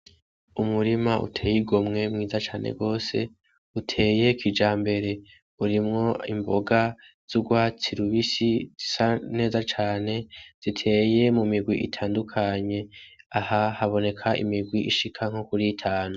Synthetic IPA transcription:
umuɾimaʔṵtʰe̞ːjiɡo̞mŋe̞mŋiːzat͡ʃaːne̞̰ɡo̞ːse̞̰ | utʰe̞ːje̞kid͡ʒaːmbe̞ɾe̞ | uɾimŋo̞ḭmbo̞ɡa | z̥uɡwaːt͡siɾuβisiz̥isane̞ːzat͡ʃaːne̞z̥itʰe̞ːje̞mumiɡwiʔitʰaːndukʰaɲe̞ahahaβo̞ne̞kʰaʔḭmiɡwiʔiʃikʰaŋ̥hokuɾiːtʰaːnu

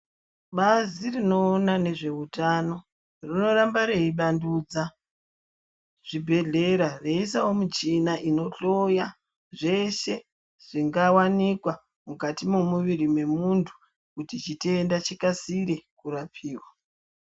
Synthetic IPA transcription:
ɓazirino̞ːnane̞ʐe̞utano̞ | rino̞ɾambaɾeiɓanduːd͡za | ʐ̥ibʱe̞ɮe̞ɾare̞isawomut͡ʃinaʔino̞ɬo̞ja | ʐe̞ʃe̞ | ʐ̥iŋɡawanikwa | mukatimomuʋiɾimwe̞muntʰu̥ | kutit͡ʃiteːndat͡ʃikasiɾe̞kuɾapʰiːwa

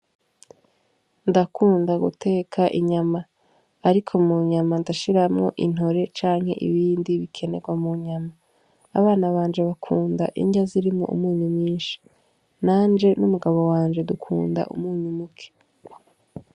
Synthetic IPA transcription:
ndakʰuːndaɡṵtʰe̞ːkʰaʔiɲamaː | ɾikʰo̞muɲamandaʃiɾamŋo̞̰ʔin̥o̞ɾe̞t͡ʃaːŋhe̞̰ʔḭβiːndiβikʰe̞ne̞̰ɡwamuɲamaː | βaːnaβaːɲd͡ʒe̞βakʰuːnda̰ʔḭɲɟaziɾimŋo̰ʔṵmuːɲumɲiːnʃi̥ | naːnd͡ʒe̞numuɡaβo̞waːɲd͡ʒe̞dukʰṵːnda̰ʔṵmŋuːɲumukʰe̥

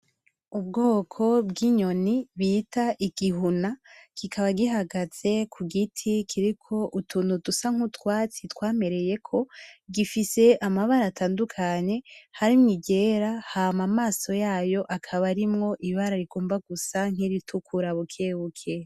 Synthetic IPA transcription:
ubɡo̞ːkʰo̞bɡiɲo̞niβitʰaʔiɡ̥iɦunakikʰaβaɡiɦaɡaz̥e̞kʰuɡitʰikʰiɾikʰo̞ʔutʰuːnudusaŋ̥utwaːt͡sitwaːme̞ɾe̞je̞kʰo̞ɡifise̞ʔamaβaɾaːtʰaːndukʰaɲe̞haɾimŋiɟe̞ɾahamamaːso̞jaːjo̞ʔakʰaβaɾimŋo̞ʔiβaɾaɾiɡo̞ːmbaɡusaŋ̥iɾitʰukʰuɾaβukʰeβukʰe

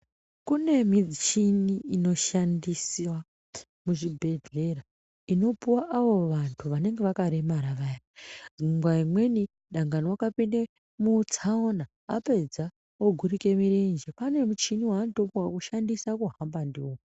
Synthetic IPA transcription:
kune̞mid͡zit͡ʃiniino̞ʃandiswa | muʐibʱe̞ɮera | ino̞puwaʔaʋo̞ʋantʰuʋane̞ŋɡe̞ʋakaɾe̞maɾaʋajaziŋɡwaimwe̞ni | ɗaŋɡaniwakapinde | mut͡sʰaona̰ːpe̞d͡za | oɡʱuɾike̞miɾend͡ʒepane̞mut͡ʃiniwaːntopwakuʃandisakuɦambandiwoku

